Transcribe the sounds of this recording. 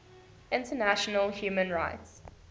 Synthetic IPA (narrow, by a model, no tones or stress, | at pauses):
ɪ̃ntənæʃənəlhjuːmə̃nɹaɪts